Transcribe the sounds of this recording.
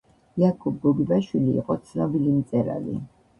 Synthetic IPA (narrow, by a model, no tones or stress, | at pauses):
jakʰub̚ɡɔɡibaʃwilḭːqʼɔt̪sʰnɔbilimt̪sʼɛɾa̰lḭ